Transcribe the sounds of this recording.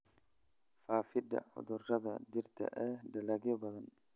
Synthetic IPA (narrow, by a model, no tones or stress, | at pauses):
faːfɪd̪ɐ̰ʊ̰ðɔrɐðɐ̰d͡ʒɪrt̪ʰɐ̰ʔɛːd̪ɐlɐɣɔbɐðɐn